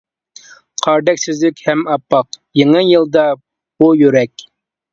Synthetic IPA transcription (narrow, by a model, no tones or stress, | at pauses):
qʰɑɾd̪ɛkʲsyzlykʲhɛmɑpːɑq | jeŋɨjɨlˠd̪ɑ | b̥ujyɾɛkʲ